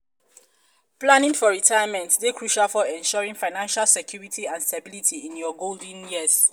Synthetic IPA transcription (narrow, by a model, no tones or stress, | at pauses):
planĩnfɔɹitʰajamɛ̃ntdekʰɹuʃalfɔɛ̃nʃɔɹĩŋfaɪnãnʃalsɛkjuɹitʰiãnstabilitʰiĩnjɔɡold̃njiz̥